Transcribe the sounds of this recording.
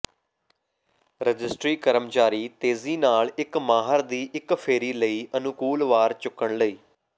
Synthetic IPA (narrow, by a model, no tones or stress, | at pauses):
ɾəd͡ʒɪsʈɾiːkəɾəmt͡ʃaːɾiːt̪eːziːnaːlɪkmaːɦəɾd̪iːʔɪkpʰeːɾiːləiːʔənʊkuːlʋaːɾt͡ʃʊkːəɳləiː